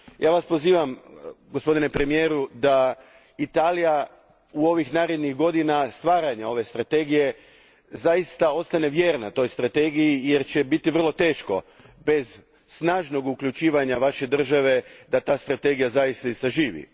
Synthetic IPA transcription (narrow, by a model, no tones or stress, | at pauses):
jaːʋaspo̞ziːʋamɡospo̞d̪inepɾe̞mije̞ːɾud̪a | it̪aːlija | uo̞ʋixnaːɾe̞d̪niɣɡo̞d̪inast̪ʋaːɾaɲao̞ʋe̞st̪ɾat̪e̞ɡije̞ | zajist̪ao̞t̪st̪ane̞ʋje̞ːɾnat̪o̞jst̪ɾat̪e̞ɡijije̞ɾt͡ɕe̞bit̪iʋr̩lˠo̞t̪e̞ːʃko̞̰ | be̞zː | naːʒno̞ɡukʎut͡ʃiːʋaɲaʋaʃe̞d̪r̩ʒaʋe̞d̪at̪aːst̪ɾat̪e̞ɡijazajist̪aisaʒiːʋḭ